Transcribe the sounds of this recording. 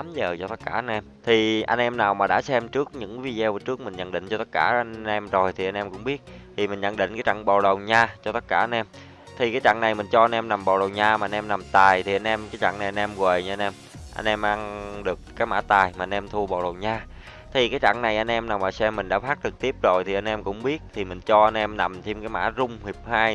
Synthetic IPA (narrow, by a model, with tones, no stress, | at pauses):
ɗaː˨˦mzəː˨˩t͡ɕɔ˧t̪ə˦˥t̚kaː˧˩˨ʔa˧nʔɛ˧mt̪ʰi˨˩ʔa˧jn̟ʔɛ˧mnaː˨˩wmaː˨˩ɗa̰ː˧˥sɛ˧mt͡ɕɨ˦˥ək̚ɲɨ̰˧˥ŋvi˧zɛ˧wəː˨˩t͡ɕɨ˦˥k̚mï˨˩ŋ̟ɲə̰˧˥nɗï˧˨ŋ̟t͡ɕɔ˧t̪ə˦˥t̚kaː˧˩˧ʔɛ˧mzo˨˩jt̪ʰi˨˩ʔa˧n̟ʔɛ˧mkʊ̰˧˥ŋ͡mɓi˦˥ət̚t̪ʰi˨˩mï˨˩ŋ̟ɲə̰˧˥nɗḭ̈˧˨ŋ̟kaː˨˦jt͡ɕa̰˧˨ŋɓa̰˨˩wɗə˨˩wɲaː˧t͡ɕɔ˧t̪ə˦˥t̚kaː˧˩ʔa˧nʔɛ˧m | t̪ʰi˨˩kaː˨˦jt͡ɕa̰˧˨ŋna˨˩jmï˨˩ŋ̟t͡ɕɔ˧ʔa˧nʔɛ˧mna˨˩mɓa̰˨˩wɗə˨˩wɲaː˧maː˨˩ʔa˧nʔɛ˧mna˨˩mt̪aː˨˩jt̪ʰi˨˩a˧nʔɛ˧mkaː˨˦jt͡ɕa̰˧˨ŋna˨˩jʔa˧nʔɛ˧mɣweː˨˩jɲ˧a˧nʔɛ˧m | ʔa̰˧nʔɛ˧mʔa˧ŋɗɨ˨˩ək̚aː˨˦jma̰ː˧˥t̪aː˨˩jma˨˩ʔa˧nʔɛ˧mt̪ʰu˧əɓa̰˨˩wɗə˨˩wɲaː˧ | t̪ʰi˨˩kaː˨˦jt͡ɕa̰˧˥˨ŋna˨˩jʔa˧nʔɛ˧mnaː˨˩maː˨˩sɛ˧mːï˨˩ŋ̟ɗa̰ː˧˥faː˦˥k̚t͡ɕɨ˨˩k̚t̪i˦˥əp̚zo˨˩jt̪ʰi˨˩ʔa˧nʔɛ˧mkʊ̰˧˥ŋ͡mɓi˦˥ət̚t̪ʰi˨˩mï˨˩ŋ̟t͡ɕɔ˧ʔa˧nʔɛ˧mna˨˩mt̪ʰi˧mkaː˨˦jma̰ː˧˥zʊ˧ŋ͡mhi˨˩əp̚haː˧j